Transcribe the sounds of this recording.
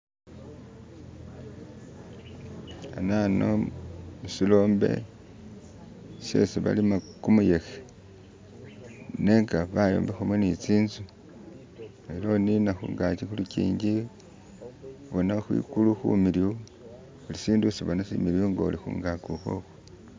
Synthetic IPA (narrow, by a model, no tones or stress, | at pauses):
a̰nano̰musilo̞ːmbe̞̰ | se̞̰siβa̰limakumuje̞xe̥ | ne̞ŋɡaβajo̞̰ːmbexumwenit͡siːnzu | lelo̞ninaxṵŋɡacixulucḭːɲɟi | βonaxwḭkuluxṵmiliwu | ulisiːndusiβonasḭmiɾioŋɡa̰ṵlixṵːŋɡakuxo̰xo